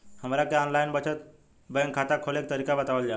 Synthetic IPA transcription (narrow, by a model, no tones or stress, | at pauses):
həmɾakeɔnlajnbət͡ɕʰət̪̚ | bɛŋkʰːat̪akʰːolek̚t̪əɾikabət̪aʋəld͡ʑa